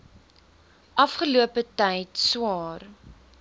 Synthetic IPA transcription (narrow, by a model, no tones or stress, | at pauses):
ʔɐfχəluəpətɛjtswɑːr